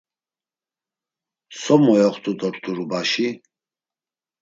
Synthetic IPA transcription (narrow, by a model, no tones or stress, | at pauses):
sɔmɔjɔχt̪ʰʼut̪ʼɔɾt̪ʰuɾubaʃi